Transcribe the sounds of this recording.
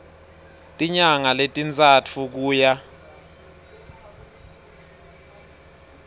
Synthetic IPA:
tʼiɲaŋaletʼint͡sʼat͡fʰuk̬uːja

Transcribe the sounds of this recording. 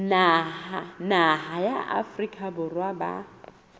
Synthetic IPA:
nahanahajaʔa̰frikʼabʊrwaba̰

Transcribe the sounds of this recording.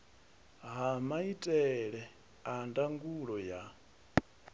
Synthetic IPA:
ɦamaitʼɛɺɛ | andaŋɡuɺɔja

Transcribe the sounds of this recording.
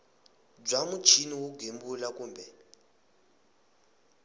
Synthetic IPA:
b͡ʐamut͡ʃʰiniwuɡʱembulakuːmbɛ

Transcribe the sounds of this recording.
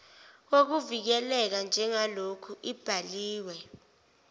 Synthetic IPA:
k̬ok̬uvik̬ɛlɛk̬and͡ʒʱɛŋalokʰuib̥ʱaliːwɛ

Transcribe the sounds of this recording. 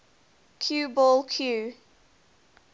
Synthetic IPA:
kʰjuːbɔlkʰjuː

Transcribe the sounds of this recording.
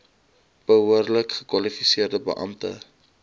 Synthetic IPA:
b̥əɦuərləkχəkwɐlifisiərdəbə̰ʔɐ̰mtə̰

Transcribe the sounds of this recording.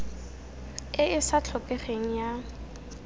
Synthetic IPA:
ɪɪsat͡ɬʰɔpʼɛχeŋ̩ja

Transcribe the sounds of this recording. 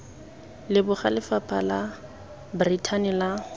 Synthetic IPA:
lɪbʊχalɪfapʼala | britʰanɪla

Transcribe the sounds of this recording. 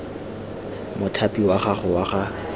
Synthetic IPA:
mʊtʰapʼiwaχaχʊwaχa

